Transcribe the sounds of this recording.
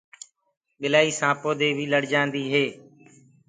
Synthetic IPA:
ɓɪlaːiːsãːpoːd̪eːbʱiːləɽd͡ʒãːnd̪iːɦeː

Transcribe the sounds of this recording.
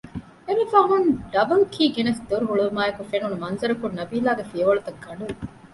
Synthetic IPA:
eʋefaːɦunɖɐbɐlkʰiːɡenɐsd̪oɾuɦuɭuumaːekufenunumɐnzɐɾɐkunnːɐbiːlaːɡefiɐʋɐɭut̪ɐɡːɐɳɖu

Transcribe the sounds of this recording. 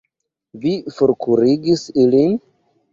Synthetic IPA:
vifuɾkʰuɾiɡisilin

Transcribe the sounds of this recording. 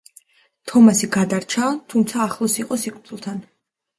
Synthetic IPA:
t̪ʰɔmasiɡad̪aɾt͡ʃʰat̪ʰumt̪sʰaːχlˠɔsiqʼɔsikʼt̪ʼulˠt̪ʰan

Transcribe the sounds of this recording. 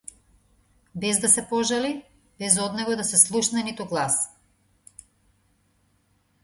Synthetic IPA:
bɛzd̪asɛpɔʒali | bɛzɔd̪nɛɡɔd̪asɛslˠuʃnɛnit̪uɡlˠas

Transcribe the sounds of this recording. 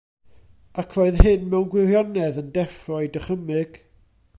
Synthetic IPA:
akʰlˠoɨðhɨnmɛwnɡwɪrjɔnɛðəndɛfrɔɨdəχəmɨɡ̥

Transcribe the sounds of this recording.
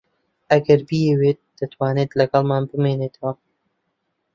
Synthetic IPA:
ʔɐɡɐɾbijeweːt̪̚d̪̥ɐt̪waːneːt̪lɐɡɐlmaːnbɨmeːneːt̪ʰɐwɐ

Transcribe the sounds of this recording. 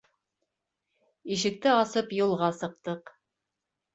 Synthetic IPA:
iʃɘ̆k̚t̪ɘɑsɤpjulˠʁɑsɤ̆q̚t̪ɤq

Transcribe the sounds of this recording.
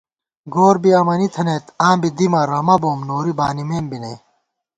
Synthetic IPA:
ɡoːɾbiɐmɐnit̪ʰɐnet̪ãːmbid̪imɐɾɐmɐboːmnoːɾibaːnimeːmbineː

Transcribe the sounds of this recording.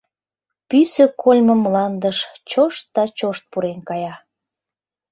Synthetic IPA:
pysəkʰolʲməmːlɑnd̪əʃt͡ɕoʃt̪̚d̪ɑt͡ɕoʃt̪̚puɾenkɑjɑ

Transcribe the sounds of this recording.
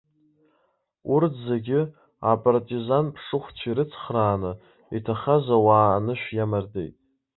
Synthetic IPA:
urtʰzeɡʲɪ | apʼartʼizanpʰʂɨχʷt͡ʃʷʰiɾɨt͡sʰχraːnɨ | itʰaχazawaːnɨʃᶣjamardḛjtʼ

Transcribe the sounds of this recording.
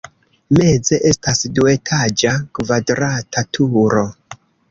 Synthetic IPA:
me̞d͡ze̞ʔe̞stasdue̞tʰad͡ʒakvadɾatatʰuɾo̞

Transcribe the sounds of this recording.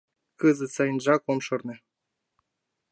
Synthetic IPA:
kɯzɨ̆sɑjnʒɑkomʃɤ̆rnɤ̆

